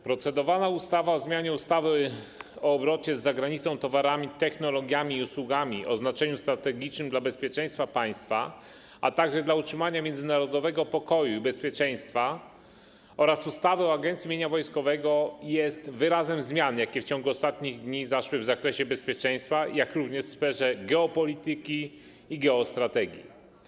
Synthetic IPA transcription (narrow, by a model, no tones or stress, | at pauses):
pɾɔt̪sɛd̪ɔvanaust̪avaɔzmʲjaɲɛust̪avɘ | ɔːbɾɔt͡ɕɛzːaɡɾaɲit̪sɔ̃w̃t̪ɔvaɾamʲit̪ɛxnɔlɔɡʲjamʲiːuswuɡamʲiʔɔznat͡ʂɛɲust̪ɾat̪ɛɡʲit͡ʂnɘmd̪labɛspʲjɛt͡ʂɛj̃st̪fapaj̃st̪fa | a̰t̪aɡʐɛd̪lautʂɘmaɲamʲjɛnd̪zɘnaɾɔd̪ɔvɛɡɔpɔkɔjuibɛspʲjɛt͡ʂɛj̃st̪fa | ɔɾasust̪avɛɔaɡɛnt̪sʲimʲjeɲavɔjskɔvɛɡɔjɛst̪vɘɾazɛmzmʲjanjakʲɛft͡ɕɔŋɡuɔst̪at̪ɲiɣd̪ɲizaʂwɘvzakɾɛɕɛbɛspʲjɛt͡ʂɛj̃st̪fajakɾuvɲɛʂsfɛʐɛɡɛɔpɔlʲit̪ɘkʲiː | ɡɛɔst̪ɾat̪ɛɡʲjḭ